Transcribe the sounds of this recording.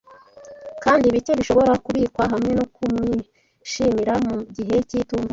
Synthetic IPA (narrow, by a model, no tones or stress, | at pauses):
kaːndiβite̞βiʃo̞βo̞ɾakuβiːkwaɦamŋe̞nokumŋi | ʃiːmiɾamuɟiɦe̞ciːtuːmba